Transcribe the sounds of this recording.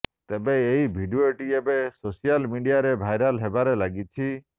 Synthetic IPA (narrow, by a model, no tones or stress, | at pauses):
t̪ebeejbʱiɖieʈiebesosijalmiɖijaɾebʱajɾalɦebaɾelaɡit͡ʃʰi